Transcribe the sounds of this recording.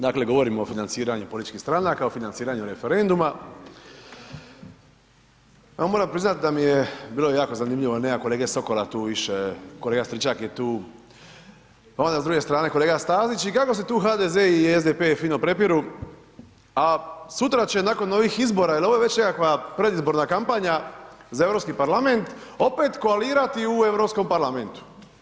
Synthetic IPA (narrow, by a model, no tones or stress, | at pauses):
d̪akle̞ɡo̞ʋo̞ɾimoofinant̪siːɾaɲupolit̪it͡ʃkixst̪ɾanakaofinantsiːɾaɲuɾe̞feɾe̞nd̪uma | jomoːɾampɾiznat̪id̪amijebiːlo̞jaːkozanimʎiʋolneako̞le̞ːɡeso̞ko̞lat̪uːʋiʃeko̞leːɡast̪ɾit͡ʃakjet̪uː | ond̪azd̪ɾuɡe̞st̪ɾaːne̞ko̞leːɡast̪aːzit͡ɕikako̞s̬e̞t̪uːxaːd̪ezeiezd̪epefiːnopɾe̞piɾu | asut̪ɾat͡ɕe̞nako̞nːo̞ʋixizbo̞ɾailooeʋe̞t͡ɕnekakʋapɾe̞d̪izbo̞ɾnakampaɲazae̞ʋɾopskipaɾlame̞nt̪o̞pet̪koaliːɾat̪iue̞ʋɾo̞psko̞mpaɾlament̪u̥